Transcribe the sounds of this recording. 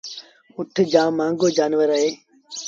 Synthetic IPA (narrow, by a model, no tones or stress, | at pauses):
ʊʈʰd͡ʒãːmãːŋɡoːd͡ʒaːnʋəɾəɦeː